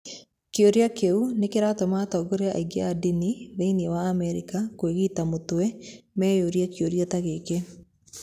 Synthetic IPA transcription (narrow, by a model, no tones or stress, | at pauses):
keoɾeakeunekeɾatɔmatɔɡoɾeaʔa̰iɡeadiniβeiniewaːmɛɾikakweɣitamotoɛmɛjoɾiakjoɾiataɣeke